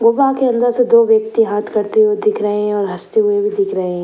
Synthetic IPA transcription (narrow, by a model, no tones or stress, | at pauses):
ɡʊʋakeɐ̃nd̪əɾsed̪oːʋjək̚t̪iɦaːt̪ʰkɐɾt̪eɦued̪ɪkʰɾɐɦẽɦɛ̃ɔːɾɦɐst̪eɦʊebʱid̪ɪkʰɾəɦẽɦɛ̃